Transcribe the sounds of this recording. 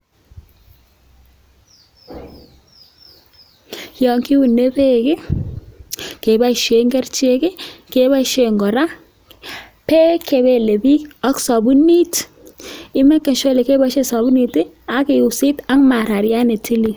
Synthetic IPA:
jɔ˨ŋki˦u˨ne˦be˦kɪ˦ | ke˨ba˦iʃe˨ŋɡɛ˦rt͡ʃe˦kɪ˦ke˨ba˦iʃe˨ŋɡɔ˨ɾa˦ | pɛ˦kʰe˨be˨le˨bi˦ɔ˦ksɔ˨bu˦ni˦t | ɪ˦mɛ˦kːe˨nʃo˦le˨ke˦ba˦ʃe˦sɔ˨bu˦ni˨tɪ˦ | a˦ke˨u˨si˦ta˦ŋma˨ɾa˨ɾja˦ne˨tʰi˦li˨

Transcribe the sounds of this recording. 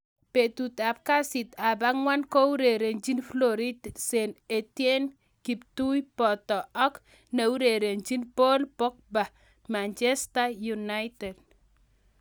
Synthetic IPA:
pe˨t̪u˨t̪a˨p̚ka˦si˨t̪a˨ba˦ŋwa˦nkɔ˦u˦ɾe˨ɾe˨nd͡ʒi˦nflɔ˦ɾi˦tse˨ne˨tje˦n | ki˨p̚tu˦jpɔ˨t̪ɔ˨ɔ˦k | ne˨u˦ɾe˨ɾe˨nd͡ʒi˦npo˦lpɔ˦k̚ba˨ | ma˨nt͡ʃɛsta˦ju˨na˦jtɛ˨d̚

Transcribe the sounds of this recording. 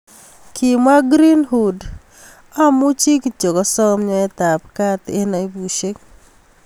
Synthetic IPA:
kʰi˨ma˦ɡɾi˦nhu˨d | a˦mu˦t͡ʃi˦kt͡ʃo˨kɔ˦sɔ˦mɲɔ˦ɛ˦t̪a˨p̚ka˦t̪e˦nɔ˨i˦bu˨ʃe˦k̚

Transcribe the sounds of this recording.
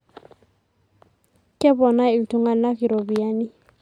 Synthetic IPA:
kʼɪ˦bɔ˨na˦ɪ˨ltu˨ŋa˨lna˦ki˨ɾo˨bi˨a˦ni˦

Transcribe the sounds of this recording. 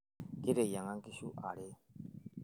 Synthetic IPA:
ki˦ɾɛ˨ja˨ŋa˦ŋki˦ʃu˦ʔa̰˨ɽɛ˦

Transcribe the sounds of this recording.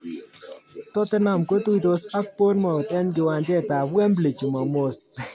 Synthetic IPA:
tɔ˦tɪ˦na˨mko˦tu˦i˨to˦sa˦k̚po˦tma˨o˨tɛ˦nk̬ɪ˨wa˧nd͡ʒɛ˦˨ta˨bɛ˦mble˨t͡ʃu˨ma˨mo˦s

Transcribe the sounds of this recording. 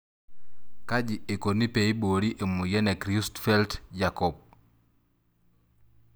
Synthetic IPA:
ka˦d͡ʒi˨e˨ko˨ni˦pe˨i˦bo˨ɾi˦ʔe˨mu˨jɛ˦nɛ˨kɾi˦stfɛ˦ltd͡ʒa˨kɔ˨b̚

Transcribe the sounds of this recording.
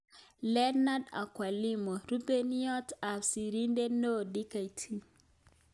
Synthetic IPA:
lɛ˦na˦da̰˨kwa˨li˦mɔ˨ɾu˦bɛ˦ni˦ɔ˦ta˨si˨ɾi˦ndɛ˦no˦di˦ka˨i˨tʰi˦

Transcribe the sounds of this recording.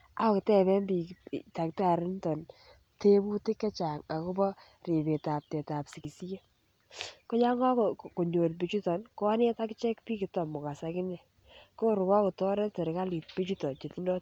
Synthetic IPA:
a˦˨ktɛ˦˨bɛ˦mbi˨ta˨k̚ta˨ɾi˦ntɔ˨n | te˦bu˦tɪ˦kːɛ˦t͡ʃa˨ŋa˨ko˦bɔ˦ | ri˨be˨ta˨p̚te˨ta˨psi˨ki˨si˦je˦ | ko˦ɲa˦ŋɡɔ˦kko˨ɲo˨tp̬i˨t͡ʃu˦tɔ˨nko˦ne˦ta˦kt͡ʃɛ˦kpiː˦ki˨tɔ˨mʊ˨ka˨sa˨kɪ˦nɛ˨ | ko˦ɾʊ˨kɔ˦ko˨tɔ˦ɾɛ˦te˨ɾɪ˨ka˦li˨t̚pi˦t͡ʃu˦tɔ˨t͡ʃe˨ti˦ndɔ˦t

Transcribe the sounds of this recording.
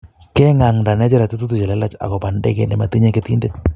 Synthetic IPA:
ke˦ŋa˨ŋnda˨nɛ˦t͡ʃe˦ɾa˨tu˦t̬u˦t̬u˨t͡ʃe˨le˦la˦t͡ʃa̰˨ko˨pa˨ndḛ˦kḛ˦nɛ˨ma˨ti˦ɲe˦ke˦ti˦nde˦t̚

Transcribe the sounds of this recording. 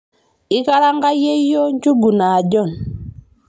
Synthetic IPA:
i˦ka˦ɾa˦ŋɡa˦je˦jɔ˦ɲ˦t͡ʃu˦ɡu˨na˨ɟɔ˦˨n

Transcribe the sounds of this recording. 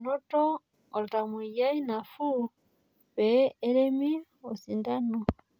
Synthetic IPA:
no˦tɔ˦ | o˨ɾta˨mu˨ja˦i˦na˨fu˦ | βeː˨˦ɾe˦mi˦ | o˨si˨nda˦no˨

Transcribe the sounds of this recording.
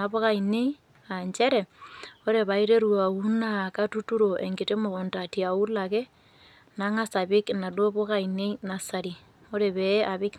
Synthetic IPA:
a˨βo˦ka˨ine˦i | a˨ɲt͡ʃe˦ɾe˨o˦ɾe˨βa˨i˦ɾe˦ɾwa˨u˦naka˦tu˦tu˦ɾo˨ʔḛ˨ŋɡe˨te˦mo˨ko˨nta˨tia˨u˦la˨ke˦ | na˦ŋa˦sa˨βɪ˦kna˨dwo˦βo˦ka˨ine˦ina˨sa˨ɾi˨ | o˦ɾe˨βe˦ʔa˨βɪ˦k

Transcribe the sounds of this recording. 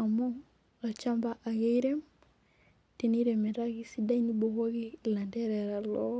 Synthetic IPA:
a˨mɔ | ɾa˨t͡ʃa˦mbaʔa˨ɣɛ˦iɾɛ˦m | ti˨niɾɛmɛ˨ɾa˦ɣisi˦da˦inibɔ˨ɣɔ˦ɣi˦la˨ndɛ˦ɾɛɾa˨lɔ˦

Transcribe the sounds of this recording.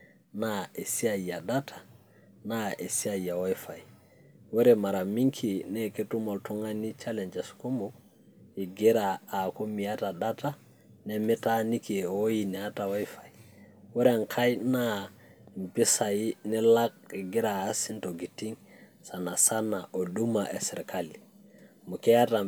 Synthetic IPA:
nae˨si˦aja˨da˦tʰḁ˨ | nae˨si˦a˨ja˨wa˦jfa˨ji | we˦ɾema˨ɾa˨mi˦ŋkʰi˨ne˦ke˦tu˦mo˨lto˦ŋa˦ni˦t͡ʃa˦le˨ɲd͡ʒe˨sko˦mo | i˨ɡi˦ɾaːko˦mia˦ta˨da˦ta˦ | nɛmi˦tani˦ki˨wo˦jinɛ˨a˦tawa˦jfa˨jwɛ˦ɾeŋkʰa˦jna | mpi˦sa˨jinɛlak̚i˨ɡi˦ɾaː˨˦si˦ntoɡi˨ti˦ŋ | sa˨na˨sa˦naʔo˨dumaʔḛ˨sɛ˨ɾkʰali | mu˨kɛ˦ja˦ta

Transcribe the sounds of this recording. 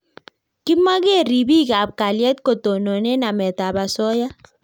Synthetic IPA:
kɪ˦ma˦kɛ˦˨ɾi˨bi˦ka˨p̚ka˨ljɛ˦t̚ko˨to˨nɔ˨nɛ˦na˨mɛ˨ta˨ba˨sɔ˦ja˦

